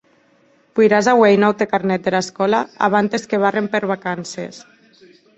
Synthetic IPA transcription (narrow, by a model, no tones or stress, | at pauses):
pujɾazawejnawt̪ekaɾnɛt̪̚d̪elaeskɔlaa̰β̞ant̪eskeβ̞arempeɾβakansḛs